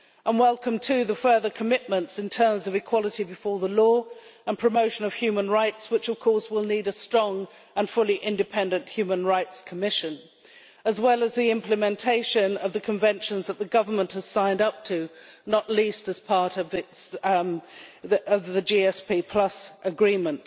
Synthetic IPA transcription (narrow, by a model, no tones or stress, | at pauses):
ʔə̃nwɛlˠkə̃mtʰɨðɨfɜ˞ðə˞kʰəmɪʔ̚mə̃ntsɨ̃ntʰɜ̃˞mzʌvɨkʰw̥ɑlˠəɾibɨfɔɹðəlɔə̃npʰɹ̥ɨmoʊʃɨ̃nʌv̥hjʉmə̃nɹaɪtswɨt͡ʃʌv̥kʰɔɹswɪlˠniɾɨstɹ̥ɔ̃ŋ | ə̃nfʊlˠiʔɪ̃ndɨpʰɛ̃ndɨ̃nʔhjʉmə̃nɹaɪtskʰəmɪʃɨ̃n | əzwɛlˠəzðiɪ̃mplɨmɛ̃ntʰeɪʃɨ̃nʌvðɨkʰɨ̃ɱvɛ̃nʃɨ̃nzðət̪̚ðɨɡʌvə˞mə̃nʔhəz̥sãɪ̃ndʌp̚tʰɨnəʔˡlistɨz̥pʰɑɹɾʌvɪts | ʌvðɨd͡ʒiɛspipʰl̥ʌsʔəɡɹĩmə̃nt